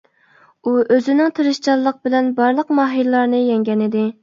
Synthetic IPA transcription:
uʔøzɪnɪŋt̪ʰɨɾɨʃt͡ʃɑlˠːəq̚bɪlɛnbɑɾlˠəqmɑɦilɨlːˠɑɾnɨjɛŋɡʲɛnɪd̪ɪ

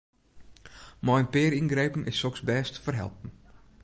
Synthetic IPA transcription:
mɔjnpɪːɾinɡɾejpən̩ʔɪsːɔksbɛːstfərɦɛ̰lˠpən̩

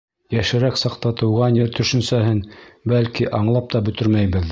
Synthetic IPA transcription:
jæʃɘ̆ɾæksɑqt̪ɑt̪ɤ̆wʁɑnjɘɾt̪ʰɵ̆ʃɵ̆nsæɦɘnbælkiʔɑɴlˠɑp̚t̪ɑbɵ̆t̪ɵɾmæjbɘð

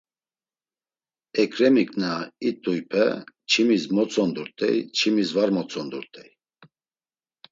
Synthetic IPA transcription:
ɛkɾɛmikʼnait̪ʼujpʰɛ̰ | t͡ʃʰimismɔt͡sʼɔnd̪uɾt̪ʼɛ̰jt͡ʃʰimisvaɾmɔt͡sʼɔnd̪uɾt̪ʼɛj

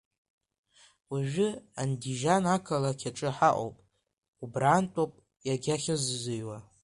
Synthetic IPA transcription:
wiʒᶣɪandiʒanakʰalakʰʲaʈ͡ʂʼɨħaʔʷʼo̰wpʼ | ubraːntʼopʼ | jaɡʲaχʲazzɨjwa

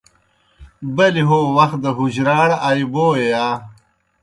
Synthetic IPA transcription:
bɐliɦoːwɐxt̪̚d̪ɐɦuʑɾaːɽaːiboːejaː

